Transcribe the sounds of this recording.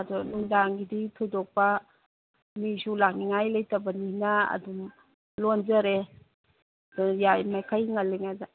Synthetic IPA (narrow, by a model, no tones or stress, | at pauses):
adɔlundaŋɡiditʰudɔk̚pɐ | misulaŋ̚niŋajlajtɐbɐninɐɐ̰dum | lonzɐɾe | dɔnjajmajkʰajŋalːiŋaza